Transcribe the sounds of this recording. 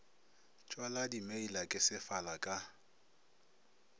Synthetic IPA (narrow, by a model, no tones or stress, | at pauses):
t͡ʃʼwaladimeilakʼɪsɪfalakʼa